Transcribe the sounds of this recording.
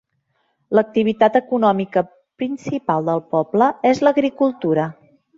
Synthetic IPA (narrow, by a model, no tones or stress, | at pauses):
lək̚t̪iβit̪at̪əkunɔmikə | pɾinsipalˠd̪əlˠpɔbləezləɣɾikulˠt̪uɾə